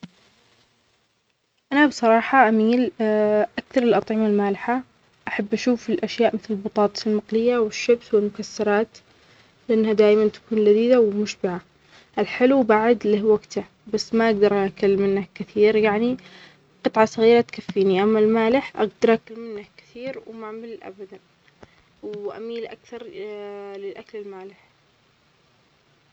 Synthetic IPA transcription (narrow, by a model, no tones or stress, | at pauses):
ʔanabsˤɑɾˤɑːħɑʔamiːlʔakθɑɾˤɪlʔɑt̪ˤʕɪmalmaːlɪħa | ʔaħabːʔaʃuːfɪlʔaʃjaːʔmɪθlɪlbɑt̪ˤɑːt̪ˤlmɑqlɪjːawɪʃːabswɪlmʊkasːɑɾˤɑːt̪ | lɪʔanːhad̪aːjmant̪ḁkuːnlad̪iːd̪awɪmʊʃbɪʕa | ʔɪlħɪlubaʕɪd̪lɪhwaɡt̪ʰa | basːmaʔaɡd̪ɑɾˤʔakʊlmɪnːakɪθiːɾjaʕni | qɨt̪ˤʕɑsˤɑɣiːɾat̪kafːiːniʔamːalmaːlɪħʔa̰ɡ̚d̪ɑɾˤʔakʊlmɪnːakɪ̥θiːɾwmaʕmɪllʔa̰bad̪an | wʔa̰miːlʔa̰kθɑɾˤ | lɪlʔaklɪlmaːlɪħ